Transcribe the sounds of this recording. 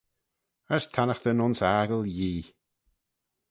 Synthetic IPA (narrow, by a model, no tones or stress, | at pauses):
əɹst̪ʰanəxt̪ənʊnsaːɡəlˠjiː